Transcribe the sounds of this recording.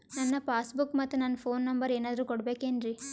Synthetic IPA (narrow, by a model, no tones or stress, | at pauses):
nɐnːɐpaːsbukːmɐt̪ːunɐnːɐpʰoːnːɐmbɐɾeːnaːd̪ɐɾuːkoɽbeːkeːnɾi